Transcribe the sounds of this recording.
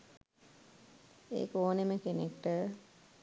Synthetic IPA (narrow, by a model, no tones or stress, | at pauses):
ḛːkoːneməkenekʈə